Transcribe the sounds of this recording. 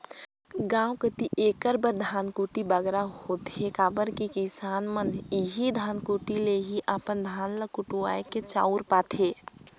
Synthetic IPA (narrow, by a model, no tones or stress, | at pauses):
ɡãːwkət̪iʔeːkəɾbəɾd̪ʱaːnkuʈibəɡɾahot̪ekaːbəɾkikisaːnməniɦid̪ʱaːnkuːʈileɦiʔapənd̪ʱaːnləkʊʈuaːjket͡ʃa̰ːuɾpaːt̪ʰeː